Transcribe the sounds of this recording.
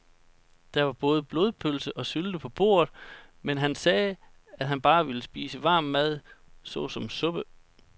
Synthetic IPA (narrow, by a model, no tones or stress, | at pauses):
d̥ɑ̈ʋɑ̈b̥ɔ̽ːð̞̩ˠəb̥lo̝ːðˠpʰølsəʔɒ̽syld̥əpʰɒ̽b̥o̝̰ːɐ̰ðˠ | menɦænsɛː | æd̥ɦænb̥ɑ̈ːʋiləsb̥ḭːsəʋɑ̈ːmːæð̞̰ˠsɔ̽sɒ̽msɔ̽b̥ə